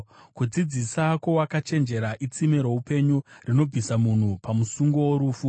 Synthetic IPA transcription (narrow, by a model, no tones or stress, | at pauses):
kud͡zid͡zisako̞wakat͡ʃe̞nd͡ʒe̞ɾaʔit͡simeɾoupe̞ɲurino̞b͡vʱisamun̤upamusuŋɡo̞woɾuːfu